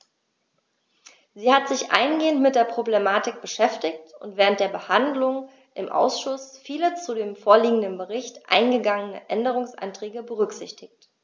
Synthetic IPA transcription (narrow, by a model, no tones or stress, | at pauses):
ziːhatz̥ɪçʔa̰ɪnɡeːəntmɪt̚d̥eːɐpʁ̥oblemaːtɪk̚b̥əʃɛftɪktʊntv̥ɛːʁ̞ənt̚d̥eːɐbəhandlʊŋ | ʔɪmʔa̰ʊsʃʊsfiːlət͡sudeːmfoːɐliːɡŋ̩dənbəʁɪçtʔa̰ɪnɡəɡaŋənə̰ʔɛndəʁ̞ʊŋsʔa̰ntʁ̥ɛːɡəbəʁ̞ʏkz̥ɪçtʰɪçt